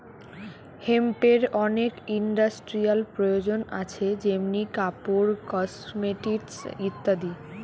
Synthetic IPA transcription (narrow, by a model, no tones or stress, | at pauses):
hempeɾɔnekiɳɖasʈɾialpɾojod͡ʑona̰t͡ɕʰed͡ʑemnikapoɾkɔsmeʈisit̪ːad̪i